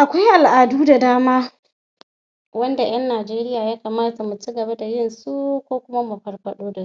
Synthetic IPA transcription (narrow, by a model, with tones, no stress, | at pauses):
ʔa˨kʷa˦jʔa˨lʔaː˨duː˦da˨daː˦maː˦ | wɐ˦nda˨j̰ɐ˦nːaː˨d͡ʒeː˦ɾɪ˦jaː˨jaː˦kaː˨maː˦ta˨mu˨t͡ʃi˦ɡɐ˨ba˦da˨jɪ˦nsu˦kʷoː˦kʷʊ˦ma˦mu˨ɸɐ˨rɸɐ˦ɗoː˦da˨˦